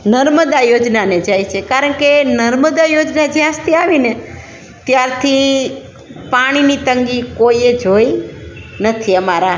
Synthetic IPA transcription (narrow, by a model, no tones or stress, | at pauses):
nəɾməd̪ajod͡ʒnaned͡ʒajt͡ʃʰekaɾəɳkenəɾməd̪ajod͡ʒnad͡ʒeast̪iaʋine | t̪jaɾt̪ʰi | paɽ̃init̪əŋɡikoied͡ʒojnət̪ʰiəmaɾa